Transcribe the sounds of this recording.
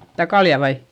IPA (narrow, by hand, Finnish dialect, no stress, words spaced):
stæ kɑljɑ ʋɑi